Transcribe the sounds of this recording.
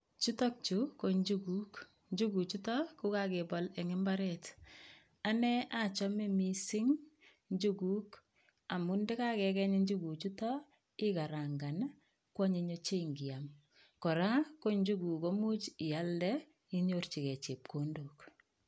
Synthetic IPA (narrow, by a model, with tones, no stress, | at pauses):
t͡ʃu˦to˦k̚t͡ʃu˨ko˦ɲd͡ʒu˦ɡu˦k | ɲd͡ʒu˦ɡu˨t͡ʃu˦tɔ˦ku˦ka˦ke˨bɔlɛ˨ŋɪ˦mba˦ɾɛ˨t | a˦nɛ˦ʔa˦t͡ʃɔ˦me˦misɪ˦ŋ | ɲd͡ʒu˦ɡu˦k | a˨mu˦nde˦ka˦kɛ˨kɛ˦ɲe˦ɲd͡ʒu˦ɡu˨t͡ʃu˦tɔ˦ | ɪ˦ka˨ɾa˨ŋɡa˨n | kwɔ˦ɲe˨ɲo˦t͡ʃe˦ŋɡi˨a˨m | kɔ˨ɾa˦ko˦ɲd͡ʒu˦ɡu˨ko˦mu˦t͡ʃɪ˨ja˦ldɛ˦ | i˦ɲo˨rt͡ʃi˨kɛ˨t͡ʃe˨p̚ko˨ndo˨k